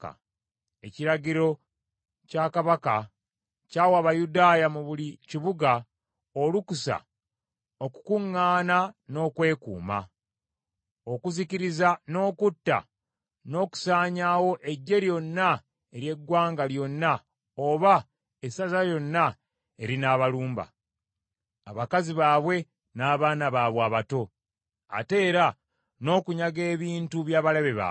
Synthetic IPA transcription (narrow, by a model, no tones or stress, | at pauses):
e̞̰ciɾaɟiɾo̞ | cakaβaka̰ | caːwaβajudaːjamuβuliciβuɡa | olukusa̰ | o̞ku̥kuŋːaːnano̞ːkwe̞ːkṵːma̰ | o̞kuziciɾizano̞ːkutːa̰ | no̞ːku̥saːɲaːwo̞ʔe̞ɟːe̞ɾjo̞nːa | e̞ɾje̞ɡwaːŋɡaljo̞nːa | oβa | esazajo̞nːa | e̞ɾinaːβaluːmba̰ | a̰βakaziβaːβwe̞ | naːβaːnaβaːβwaːβato̞ | a̰te̞ːɾa | no̞ːkuɲaɡe̞ːβiːntuβjaːβaleβeβa̰